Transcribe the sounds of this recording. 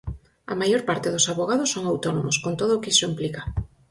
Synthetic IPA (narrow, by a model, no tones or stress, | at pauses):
ɐ̰majoɾpaɾt̪ɪðʊsaβoɣað̞ʊsːoŋawt̪onomʊskont̪oðʊːkɪsimplika